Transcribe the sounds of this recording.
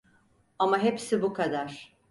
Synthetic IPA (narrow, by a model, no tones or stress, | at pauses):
amaɦepsibukʰad̪aɾ̥